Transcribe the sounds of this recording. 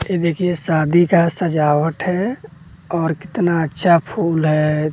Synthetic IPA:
ed̪eːkʰiesaːd̪ʱikasəd͡ʒaːwəʈɦɛ | ɔːɾkɪ̥t̪naətːʃʰapʰuːlɦɛ

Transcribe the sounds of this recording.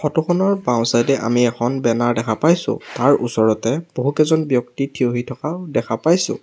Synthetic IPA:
xɔtɔxʰɔnɔɹbãw̃sajtɛʔa̰miɛxʰɔnbɛnaɹdɛkʰapajsʊ̰̃taɹʔusɔɹɔtɛb̥oɦukɛzɔnbjɔktitʰioɦitʰɔkaʊdɛkʰapajsʊ̰̃

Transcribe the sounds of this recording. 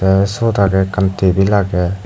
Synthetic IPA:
ɛsɔd̪aɡɛkant̪ebilaɡɛ

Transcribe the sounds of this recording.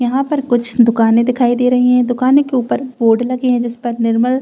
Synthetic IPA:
jɐɦãpɐɾkʊt͡ʃʰd̪ʊkaːnẽd̪ɪkʰaːid̪eːɾɐɦiɦɛ̃ːd̪ʊkaːnẽkeuːpəɾboːɖlɐɡeɦɛ̃d͡ʒɪspɐɾnɪɾməl

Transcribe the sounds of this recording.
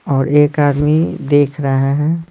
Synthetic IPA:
ɔːɾeːkaːd̪mid̪eːkʰɾɐɦeɦɛ̃ː

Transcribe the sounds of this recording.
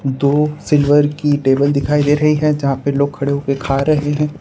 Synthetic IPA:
d̪oːsɪlʋəɾkiʈeːbəld̪ɪkʰaːid̪eːɾɐɦiɦɛ̃d͡ʒɐɦãpeloːɡ̚kʰɐɽeɦokekʰaːɾɐɦeɦɛ̃ː

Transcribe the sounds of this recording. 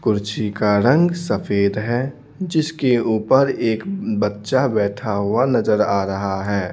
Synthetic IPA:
kʊɾt͡ʃikaɾə̃ŋɡsəpʰeːd̪ɦɛ | d͡ʒɪskeuːpəɾeːkbətːʃabɛːʈʰaɦuanɐzəɾaːɾɐɦaɦɛː

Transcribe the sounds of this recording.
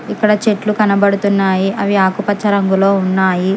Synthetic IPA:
ikːɐɽɐt͡ʃe̞ʈlukɐnɐbɐɽut̪unːaːjiɐʋiaːkupɐt͡ʃːɐɾɐŋɡuloːunːaːji

